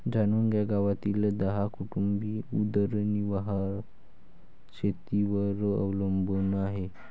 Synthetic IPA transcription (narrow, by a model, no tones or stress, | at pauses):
d͡zanunɡjaɡaʋat̪iːld̪əɦakuʈumbiːud̪əɾniʋaɦa | t͡ɕʰet̪iʋəɾə̰ʋləmbənaɦe